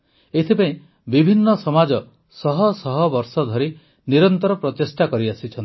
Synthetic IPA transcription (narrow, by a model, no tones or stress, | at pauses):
et̪ʰipaĩj̃ | bibʱinːɔsɔmad͡ʒɔ | sɔɦɔsɔɦɔbɔɾsɔd̪ʱɔɾi | niɾɔnt̪ɔɾɔpɾɔt̪esʈakɔɾiasit͡ʃʰɔnt̪i